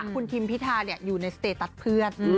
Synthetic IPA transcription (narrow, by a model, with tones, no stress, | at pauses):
kʰu˧nt̪ʰi˧mpʰi˦˥t̪ʰaː˧ni˥˩ɐjuː˨˩na˧jsa˧t̪eː˨˩t̪ːa˨˩t̪̚pʰɯ˥˩ən